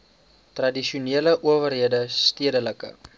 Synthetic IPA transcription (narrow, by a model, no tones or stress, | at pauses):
trɐdiʃuneələʔuəvərɦiədəstiədələkə̰